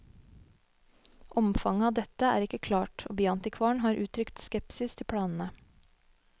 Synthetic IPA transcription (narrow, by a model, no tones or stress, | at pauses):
ʔɔmfɑŋəɑːʋd̪ɛt̪əæ̰ːɾɪkəkʰlɑːʈo̰ːbyːɑnt̪ɪkʰʋɑːɳhɑːɾʔʉːt̪ʰɾʏkt̪skɛpsɪst̪ʰɪpʰɽɑːnn̩ə